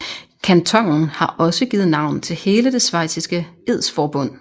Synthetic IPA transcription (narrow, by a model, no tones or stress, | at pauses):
kʰænt͡sʰɒ̽ŋ̰n̩hɑ̈ʔɒ̽səɡ̥iːð̩ˠnɑ̈ʊ̰nt͡sʰe̝lhe̝ːləd̥e̝sʋɑ̈ɪ̰sʰisɡ̥əe̝ð̰ˠsfɒːb̥ɔ̽n̰